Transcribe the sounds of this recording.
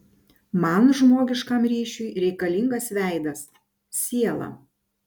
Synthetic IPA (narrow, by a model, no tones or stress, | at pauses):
mɐnʒmoːɡʲɪʃkɐˑmɾʲiːʃʲʊɪɾʲɛɪkɐlʲɪŋɡɐsʋʲæˑɪd̪ɐs | sʲiɛlˠɐ̰